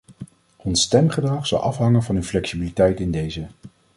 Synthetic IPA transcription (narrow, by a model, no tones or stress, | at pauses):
ɔnstɛmχədrɑχz̥ɑ̰lʔɑfɦɑŋənvɑnywflɛksibilitɛjtɪndejzə